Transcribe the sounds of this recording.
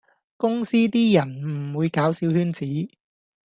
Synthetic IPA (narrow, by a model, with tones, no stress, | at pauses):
kʊ˥ŋsiː˥t̪iː˥jɐ˨˩nm̩˨˩wuː˨˧jkaː˨˥wsiː˨˥whyː˥nt͡siː˨˥